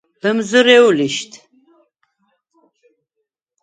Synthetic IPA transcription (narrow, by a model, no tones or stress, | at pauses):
pəmzuɾeuliɕt̪